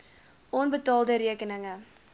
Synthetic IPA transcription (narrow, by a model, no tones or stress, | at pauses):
ʔɔnbətɑːlˠdəɾiəkənəŋə